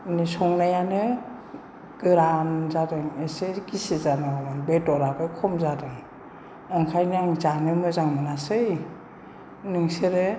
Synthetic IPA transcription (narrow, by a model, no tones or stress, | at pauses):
nisɔŋnajanɯ | ɡ̥ɯɾanzadɯŋesɯɡisizanaamanbedɔɾabɯjkʰɔmzadɯŋ | ɯŋkʰajnaŋzanɯmɯzaŋmanasɯj | nɯŋseɾɯ